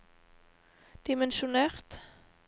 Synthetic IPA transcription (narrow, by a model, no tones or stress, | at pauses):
d̪̥ɪmɛnʃʊneːʁt̪